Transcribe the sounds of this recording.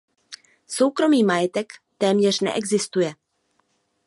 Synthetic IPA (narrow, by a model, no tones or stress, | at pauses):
so̞wkɾo̞miːmajɛt̪ɛkt̪ɛːmɲɛr̝̥nɛ̰ʔɛɡzɪst̪ujɛ